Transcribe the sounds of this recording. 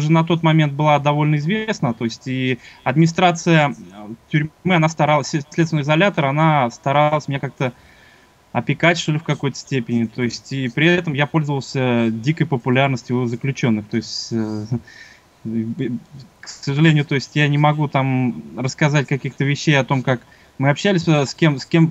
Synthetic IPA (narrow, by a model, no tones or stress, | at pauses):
ʐɨnɐt̪o̞t̪mɐmʲent̪̚bɨlˠad̪ɐvo̞lʲnəɪzvʲesnət̪o̞ɪsʲtʲiɐd̪̚mʲɪnʲɪst̪ɾat̪sɨjətʲʊɾʲmɨɐnast̪ɐɾalˠəsʲlʲet̪svɪnɨɪzɐlʲat̪əɾɐnast̪ɐɾalˠəsʲmʲɪnʲakak̚t̪ə | ɐpʲɪkatʲʂt̪o̞lʲɪfkɐko̞jt̪ə̥sʲtʲepʲɪnʲɪt̪o̞ɪsʲtʲipɾʲɪɛt̪əmjapo̞lʲzəvəlˠsʲədʲikəjpəpʊlʲarnəsʲtʲjʊzəklʲʉt͡ɕo̞nːɨxt̪o̞ɪsʲtʲ | ksəʐɨlʲenʲɪjʊt̪o̞ɪsʲtʲjanʲɪmɐɡut̪amrəskɐzatʲkɐkʲixt̪əvʲɪɕːejɐt̪o̞mkak | mɨɐpɕːælʲɪsʲskʲe̞mskʲe̞m